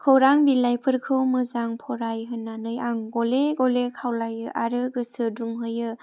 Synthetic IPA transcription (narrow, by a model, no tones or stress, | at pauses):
kʰɯwɾaŋbilajpʰɯɾkʰɯwmɯzaŋpʰɔɾajɦɯnːanɯjaŋɡɔleɡɔlekʰawlajɯʔaɾɯɡɯsɯduŋɦɯjɯ